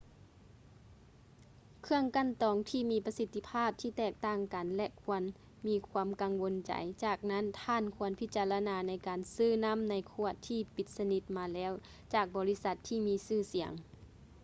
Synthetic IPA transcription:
kʰɯ˧əŋka˧˨nt̪ɔː˨ŋt̪ʰiː˧˩miː˧pa˧si˧t̪ʰːi˧pʰaː˥˨p̚t̪ʰiː˧˨t̪ɛː˧˩k̚t̪aː˧˥˩ŋka˨nlɛ˧kʰu˧ən | miː˧˥kʰwaː˧˥˨mka˨ŋʋo˧˥nt͡ɕa̰˨˩jt͡ɕaː˧˩k̚na˧˥˨nt̪ʰaː˧˨nkʰu˧˥ənpʰi˧˥t̪̚t͡ɕaː˨la˧naː˧na˧˥jkaː˨nsɯː˧˥˩na˧˥˨mna˨˧˥jkʰu˧˩ət̪ʰːiː˧˩pi˨˧˦t̪̚sa˧ni˧˦t̪̚maː˧lɛː˧˥˨w | t͡ɕaː˨˩k̚bɔː˨˦li˧˥sa˧˦t̪ʰːiː˧˩miː˧˥sɯː˧˩si˨˩˦əŋ

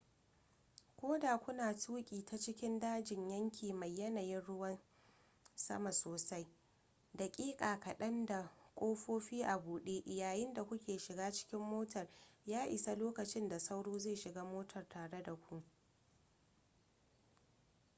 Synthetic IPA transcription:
kʷoː˦daː˨kʷʊ˦naː˨tuː˦kʲʼiː˨tʰa˦t͡ʃɪ˦kʲɪ˦ndaː˦d͡ʒɪ˨ɲjɐ˦ŋkʲʰiː˨mɐ˨jːɐ˦na˨jɪ˦nɽʊ˦wɐ˦n | sɐ̰˦ma˨soː˨sa˦j | da˨kʲʼiː˦kʼaː˨kɐ˨ɗɐ˦nda˨kʷʼoː˦ɸoː˦ɸiː˦ʔa˨buː˨ɗeː˦ʔɪ˨jaː˨jɪ˦nda˨kʷʊ˦kʲeː˨ʃɪ˨ɡaː˦t͡ʃɪ̥˦kʲɪ˦mːoː˦tɐ˨rjaː˦ʔɪ˨sa˦loː˦kɐ˨t͡ʃɪ˦nda˨sa˦wɽoː˦ze˦˨ʃɪ˨ɡaː˦moː˦tʰɐ˨rtʰaː˨ɽe˦da˨kʷu˦

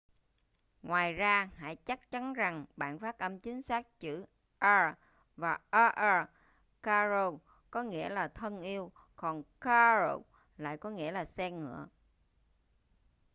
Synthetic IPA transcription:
ŋwaː˨˩jzaː˧ha̰ː˧˥jt͡ɕa˦˥k̚t͡ɕa˨˦nza˨˩ŋɓa̰ː˧˨nfaː˦˥t̚ʔə˧mt͡ɕï˨˦ŋ̟saː˦˥k̚t͡ɕɨ̰˧˥ | ʔɛː˧ | vaː˨˩ʔaː˧ʔɛː˧ | kaː˧zo˧ | kɔ˨˦ŋḭ˧˥əlaː˨˩t̪ʰə˧nʔi˧əw | kɔ˨˩nkaː˧ɹo˧ | la̰ː˧˨jkɔ˨˦ŋḭ˧˥əlaː˨˩sɛ˧ŋɨ̰˧˨ə

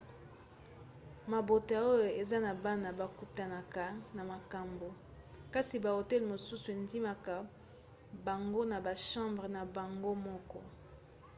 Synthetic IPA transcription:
ma˨bo˨ta˨o˦jo˨e˨za˦na˨ba˦na˨ba˨ku˨ta˨na˨ka˨na˨ma˨ka˨mbo˨ | ka˦si˨ba˨o˨tɛ˦lmo˨su˦su˨e˨ndi˦ma˨ka˨ | ba˨ŋɡo˦na˨ba˨ʃɑ̃˦mbʁə˨na˨ba˨ŋɡo˦mɔ˦kɔ˦

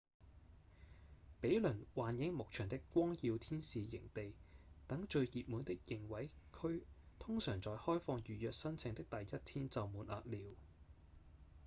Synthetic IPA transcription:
pe˨˥jlɵ˨˩nwaː˨njɪ˨˥ŋmʊ˨k̚t͡ʃʰœː˨˩ŋt̪ɪ˥kʷɔː˥ŋjiː˧wt̪ʰiː˥nsiː˨˧jɪ̰˨˩ŋt̪e˨jt̪ɐ˨˥ŋt͡ʃɵ˧ɥjiː˨p̚muː˨˥nt̪ɪ˥k̚jɪ˨˩ŋwɐ˨˥jkʰɵ˥ɥ | t̪ʰʊ˥ŋsœː˨˩ŋt͡sɔː˨jhɔː˥jfɔː˧ŋjyː˨jœː˨k̚sɐ˥nt͡sʰɪ˨ŋt̪ɪ˥k̚t̪ɐ˨jːɐ˥t̚t̪ʰiː˥nt͡sɐ˨wmuː˨˥nʔa̰ː˨˧k̚liː˨˧w

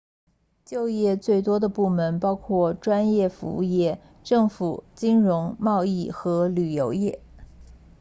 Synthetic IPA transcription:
t͡ɕjo˥˧ʊjɛ˥˧t͡swe˥˩ɪt̪wɔ˥d̪ə˨pu˥˩mə˧˥npɑ˥ʊkʰwɔ˥˩ʈ͡ʂwa˥njɛ˥˩fṵ˧˥u˥˧jɛ˥˩ | ʈ͡ʂɤ˥˩ŋfu˨˩t͡ɕi˥nɻʊ˧˥ŋmɑ˥˧ʊi˥˩xɤ˧˥ly˨˩jo˧˥ʊjɛ˥˩

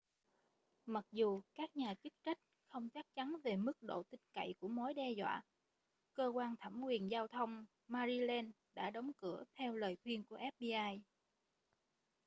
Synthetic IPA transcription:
ma˨˩k̚zu˨˩kaː˦˥k̚ɲaː˨˩t͡ɕi˦˥k̚t͡ɕa˦˥jk̟̚xə˧wŋ͡mt͡ɕa˦˥k̚t͡ɕa˨˦nve˨˩mɨ˦˥k̚ɗo̰˧˨t̪ï˧ŋ̟ka̰˧˨jku˧˩əmo˨˦jɗɛ˧zwa̰ː˧˨ | kəː˧kwaː˧nt̪ʰa˧˩mkwi˨˩ənzaː˧wt̪ʰə˧wŋ͡m | maː˧zi˧lɛ˧n | ɗa̰ː˧˥ɗə˨˦wŋ͡mkɨ˧˩ət̪ʰɛ˧wləː˨˩jxwi˧ənku˧˩əʔɛ˦˥p̚ɗi˧ʔaː˧j

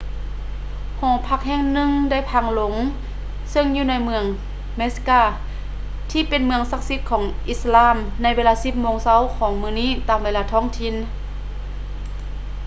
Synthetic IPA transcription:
hɔː˨˩˦pʰa˧˥k̚hɛː˧˩ŋnɯ˧˨ŋda˥˩˨jpʰa˧˩ŋlo˨˦ŋ | sɤ˧˨ŋjuː˧na˧˥jmɯ˧əŋ | me˧˦˥skaː˧˩ | t̪ʰiː˧˩pe˨nmɯ˧əŋsa˧˥k̚si˧˥t̪̚kʰɔː˩˦ŋʔi˧˥slaː˧˥˨mna˧˥jʋeː˧laː˧si˧p̚moː˧˨ŋsa˧˥˨wkʰɔː˩˦ŋmɯː˧˨niː˧˥˨t̪aː˧˩mʋeː˧laː˧t̪ʰɔː˥˨ŋt̪ʰi˧n

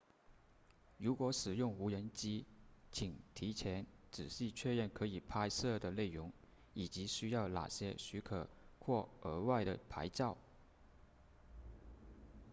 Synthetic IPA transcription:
ɻu˧˥kwɔ˧˥ʂɻ̩˨˩jʊ˥˩ŋu˧˥ɻə˧˥nt͡ɕi˥t͡ɕʰi˨˩ŋt̪ʰi˧˥t͡ɕʰjɛ˧˥nʈ͡ʂɻ̩˨˩ɕi˥˧t͡ɕʰɥɛ˥˧ɻə˥˩nkʰɤ˧˥i˨˩pʰa˥ɪsɤ˥˩d̪ə˩le˥˩ɪɻʊ˧˥ŋ | i˨˩t͡ɕi˧˥ɕy˥jɑ˥˩ʊna̰˨˩ɕjɛ˥ɕy˧˥kʰɤ˨˩ | kʰwɔ˥˩ə˞˧˥wa˥˩ɪɾə˩pʰa˧˥ɪt͡ɕjɑ˥˩ʊ

